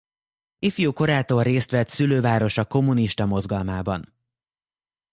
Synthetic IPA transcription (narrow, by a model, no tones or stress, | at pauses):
ifijoːko̞ɾaːt̪oːrreːst̪ʋɛt̪syløːvaːɾo̞ʃɒko̞muniʃt̪ɒmo̞zɡɒlmaːbɒ̰n